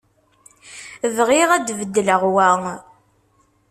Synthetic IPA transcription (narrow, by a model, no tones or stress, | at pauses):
ðʁiʁæd̪vəd̪ːələʁwæŋ